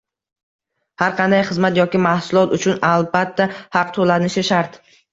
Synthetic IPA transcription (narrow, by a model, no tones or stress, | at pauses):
haɾqʰɑnd̪ajχɨzmat̪jɒkʲɪmahsʊlˠɒt̪ʊt͡ʃʰʊnalˠbat̪ʰːahɑq̚t̪ʰolanɪʃɪʃaɾt̪